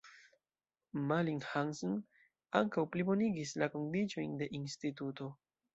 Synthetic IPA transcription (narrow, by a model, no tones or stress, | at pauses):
maliŋhanson | aŋkawplibo̞niɡislako̞ndid͡ʒo̞jnde̞ʔinstituto̞